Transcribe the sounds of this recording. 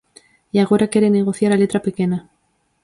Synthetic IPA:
jaɣ̞o̞ɾakje̞ɾene̞ɣo̞θjaɾale̞t̪ɾapekena

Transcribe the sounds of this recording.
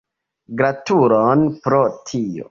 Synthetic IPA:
ɡɾatuɾonpɾotʰio̰

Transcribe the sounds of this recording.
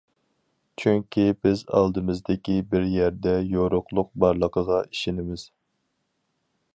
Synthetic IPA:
t͡ʃʰyŋkʲibɪzɑ̰lˠd̪ɨmɨzd̪ɪkʲibɪɾjæɾd̪ɛjoɾʊχlˠʊq̚bɑɾlˠəqʰəʁɑiʃɪnɪmɪz̥

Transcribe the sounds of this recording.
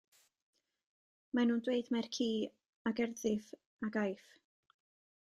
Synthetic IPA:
manuːndweɨdmɛrkʰiː | aɡɛrðɪv | aɡajf

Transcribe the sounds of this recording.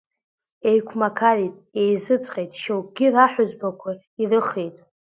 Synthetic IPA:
e̞jkʷʰmakʰalitʼe̞jzɨt͡sʼqʼejtʼʃowkɡʲɪraħʷᶣʊzbakʷʰa | irɨχejtʼ

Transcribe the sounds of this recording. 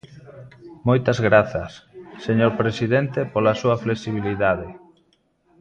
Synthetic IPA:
mojt̪ɐzɣɾaθɐsːeɲoɾpɾesiðent̪epolasuɐfleksiβ̞iliðað̞e

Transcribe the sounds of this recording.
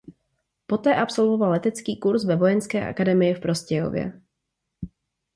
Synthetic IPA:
po̞t̪ɛːʔapso̞lvo̞valːɛt̪ɛt͡skiːkuɾsvɛvo̞jɛnskɛːʔa̰kadɛmɪjɪfpɾo̞scɛjo̞̰vjɛ̰

